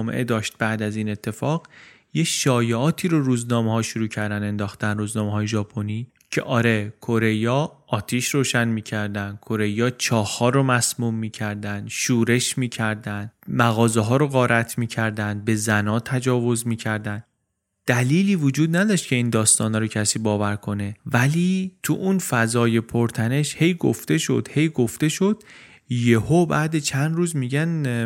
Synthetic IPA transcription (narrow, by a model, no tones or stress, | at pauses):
mḛʔed̪ɒːʃt̪̚bæʔd̪æziːne̞t̪ʰːe̞fɒːɣ̥ | jeʃɒːjeɒːt̪ʰiːɾoɾuːznɒːmehɒːʃoɾuːcʰæɾd̪æne̞nd̪ɒːxt̪ænruːznɒːmeɦɒːjeʒɒːpʰoniː | cʰe̞̰ʔɒːɾe̞kʰo̞ɾe̞jɒːʔɒːt̪ʰiːʃroːʃænmiːcʰæɾd̪ænd̪̥̚kʰo̞ɾe̞jɒːt͡ʃʰɒːhːɒːɾomæsmuːmːiːcʰæɾd̪ænd̪̥ʃuːɾe̞ʃmiːcʰæɾd̪ænd̪mæɣɒːzeɦɒːɾoɣɒːɾʔæt̪ʰmiːcʰæɾd̪ænd̪̚be̞zænɒːt̪ʰæd͡ʒɒːvo̞zmiːcʰæɾd̪ænd̪ | d̪̥æliːliːvod͡ʒuːd̪næd̪ɒːʃt̪̚cʰe̞iːnd̪ɒːst̪ɒːnɒːɾocʰæsiːbɒːvæɾkʰo̞ne̞væliːt̪ʰuʔunfæzɒːje̞pʰoɾt̪ʰæne̞ʃhe̞jɡo̰ft̪e̞ʃo̞̰d̪̥he̞jɡo̞ft̪e̞ʃo̞d̪̥̚ | jehobæːd̪et͡ʃʰænd̪ɾuːzmiːɟæn